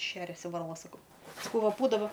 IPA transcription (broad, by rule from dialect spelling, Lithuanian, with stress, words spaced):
ˈʃʲæːrʲɛsʲɪ ʋɐrˈlˠɐ sɐˈkɐʊ sɐˈkɐʊ ˈʋɐ ˈbuːdɐʋɐ